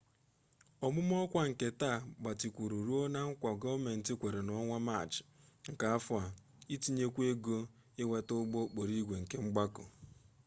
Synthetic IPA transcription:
ɔ˨mʊ˦m˦ɔ˦kʷa˦ŋ̩˨ke˨ta˦˨ɡ͡ba˨ti˨kʷu˨ɾu˨ɾu˦o˦na˦ŋ̩˦kʷa˨ɡɔ˦me˨n̩˨tɪ˦kʷe˨ɾe˨nɔ˦ŋʷa˦ma˦˨t͡ʃɪ̥˨ŋ̩˨ka˨a˦fʊ˦a˨ | i˦ti˦ɲe˦kʷe˦ɡo˦ | ɪ˦we˦tʊ˦ɡ͡bo˦k͡po˨ɾi˦ɡʷe˨ŋ̩˨ke˦ŋ͡m̩˦ɡ͡ba˦kʊ̰˨

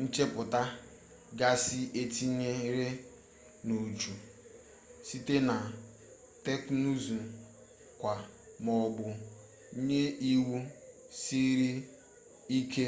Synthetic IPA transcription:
n̩˦t͡ʃe˦pʊ˨ta˦ | ɡa˦sɪ˦e˦ti˦ɲe˦ɾe˦ | no˨d͡ʒu˨ | si˦te˦na˨ | te˦knu˦zu˨ | kʷa˨ | mɔ˨ɡ͡bʊ˨˦ | ɲe˦ʔi˦wu˦ | si˦ɾi˦ | i˦ke˦

